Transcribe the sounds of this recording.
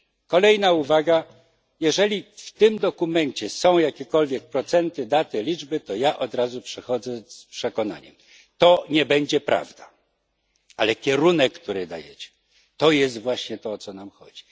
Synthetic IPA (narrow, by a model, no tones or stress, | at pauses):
kɔlɛjnauvaɡa | jɛʐɛlʲift̪ɘmd̪ɔkumɛɲt͡ɕɛsɔ̃w̃jakʲɛkɔlvʲjɛk̚pɾɔt̪sɛnt̪ɘd̪at̪ɘlʲid͡ʐbɘt̪ɔjaʔɔd̪ɾazupʂɛxɔd̪zɛspʂɛkɔna̰ɲɛ̰m | t̪ɔɲɛbɛɲd͡ʑɛpɾa̰vd̪a | alɛkʲɛɾunɛkːt̪uɾɘd̪a̰jɛt͡ɕɛ̥ | t̪ɔjɛs̬t̪vwaɕɲɛt̪ɔːt̪sɔnamxɔ̰d͡ʑi